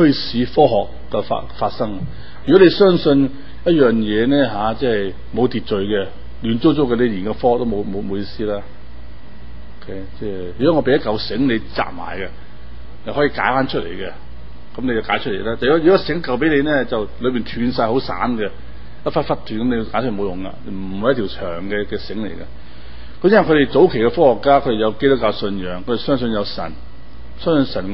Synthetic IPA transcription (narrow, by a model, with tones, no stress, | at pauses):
kʰɵ˥siː˨˥fɔː˥ɦɔː˨kːɛ˧fa̰˧faː˧t̚sɐ˥ŋ | jy˨˩kɔ˨˥le˨˧jsœː˥ŋsɵ˧n | jɐ˥t̚jœː˨ŋjɛː˨˧nɛː˥ɦaː˨˥t͡sɛː˥˩hɐ˨j | mo˨˧wt̪iː˨t̚t͡ʃɵ˨ɥkɛ˧ | lyː˨˩nt͡so˥wt͡so˥wkɛ˧ne˨˧jliː˨˩nkɐ˧fɔː˥˩hk̚t̪o˥mo˨˧wmo˨˧wmo˨˧wjiː˧siː˥laː˥ | o˧kʰe˨˦˥jt͡sɛː˥ | jyː˨˩kɔː˨˥ŋɔ˧pe˨˧jɐ˥t̚kɐ˨˩wsɪ˨˥ŋne˨˧jt͡sa̰ː˨p̚ma̰ː˨˩jkɛ˧ | ne˨hɔː˨˥ji˧kaː˨˥jfaː˥nt͡ʃʰɵ˥t̚lḛ˨˩jkɛ˧ | kɐ˨˦mne˨˧jt͡sɐ˨˩wkaː˨˥jt͡ʃʰɵ˥t̚le˨˩laː˥t̪aː˨jɔː˨˥˨kɔ˥sɪ˨˥ŋkɐ˨wp̬e˨˥ne˨˧nɛː˥t͡sɐ˨wlɵ˨˧ɥpiː˨nt̪ʰyː˨˧nsaː˧jɦo˨˥wsa̰ː˨˥nɡɛ˧ | jɐ˥t̚faː˥tfɐ˥t̪ʰyː˨˩kɐ˨˦mne˨˧jkaː˥t͡ʃʰːo˨˧jʊ˨ŋka̰ː˧n˧m̩˨˩˨hjɐ˥t̪ʰi˨˩t͡ʃʰœː˨˩ŋkɛ˧kɛː˧sɪ˨˥ŋlḛ˨˩jkɐ˧ | kɐ˧mjɐ˥nwɐ˨˩kʰɵ˨˧ɾe˨jt͡so˨˥wkʰe˨˩jkɛ˧fɔː˥hɔ˨˩kːaː˥kʰɵ˧ɾe˨jɐ˨˧wke˥t̪ʊ˥kːaː˧wsɵ˧njœː˨˧˥ŋkʰɵ˨˧ɾe˨sœː˥ŋs̬ɵ˧njɐ˨˧wsɐ̰˨˩n | sœː˥ŋsɵ˧nsɐ˨˩n